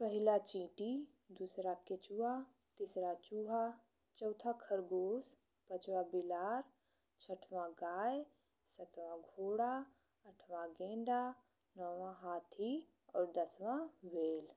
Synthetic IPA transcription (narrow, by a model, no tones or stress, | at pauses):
pəɦɪlat͡ʃĩːʈi | d̪usɾaket͡ʃua | t̪ɪsɾat͡ʃuːɦa | t͡ʃɔʊt̪ʰakʰəɾɡoːs | pət͡ʃwãbɪlaːɾ | t͡ʃʰəʈʰʋãɡaːje | sət̪ʋãɡʱoːɽa | əʈʰʋãɡẽːɳɖa | nɔwãɦaːt̪ʰi | ɔːɾd̪əsʋãweːl